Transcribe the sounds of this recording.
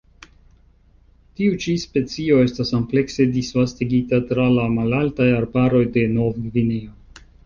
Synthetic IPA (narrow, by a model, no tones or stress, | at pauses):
tiut͡ʃispe̞t͡sio̞e̞stasample̞kse̞disvastiɡitatɾalamalaltajaɾbaɾo̞jde̞no̞vɡvineo